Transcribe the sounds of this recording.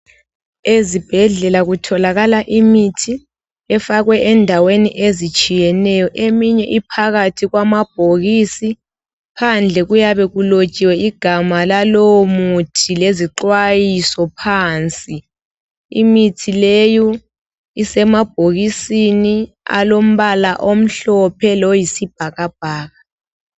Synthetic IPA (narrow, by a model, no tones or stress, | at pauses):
ezib̥ʱɛɮɛlaɣutʰɔlaɣalaʔimitʰi | ɛfaɣwɛʔɛndʱaweniʔezit͡ʃʼijɛnɛjɔʔemiɲɛʔipʰaɣatʰiɣwamab̥ʱoɣiːsi | pʰand͡ɮʱɛɣujaβɛɣulot͡ʃʼiwɛiɡ̥ʱamalalomutʰileziǃwajisɔpʰaːnt͡sʼi | imitʰilejɔ | isɛmab̥̚ʱoɣisini | a̰lom̩βalaʔom̩ɬɔpʰɛlɔjisib̥ʱaɣab̥ʱaːɣa